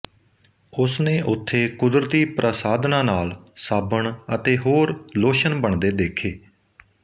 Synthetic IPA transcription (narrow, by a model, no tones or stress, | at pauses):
ʊsnẽːʔʊt̪ʰːeːkʊd̪ɾət̪iːpɾʔəsaːd̪nãːnaːlsaːbəɳət̪eːɦoːɾloːʃənbəɳd̪eːd̪eːkʰeː